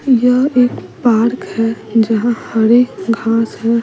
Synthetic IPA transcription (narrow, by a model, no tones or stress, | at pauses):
jəeːkpaːɾkhɛd͡ʒəɦãhəɾeːkɡʱaːsɦɛ